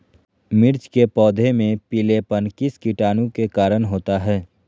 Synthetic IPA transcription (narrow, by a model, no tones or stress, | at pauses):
mɪɾt͡ʃkepɔːd̪ʱemẽpilepənkiskiʈaːnũkekaːɾənɦoːt̪aɦɛː